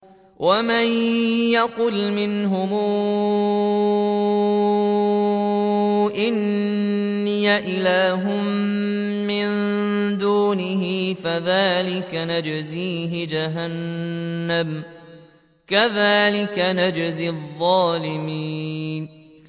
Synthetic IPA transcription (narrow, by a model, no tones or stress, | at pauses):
wʔamajjɑqʊlmɪnɦʊmuː | ʔɪnː | ɪjaʔɪlaːɦʊm | mɪnd̪uːnɪhiːfaðaːlɪkanad͡ʒziːɦɪd͡ʒaɦanː | am | kaðaːlɪkanad͡ʒzɪðˤːɑːlɪmiːn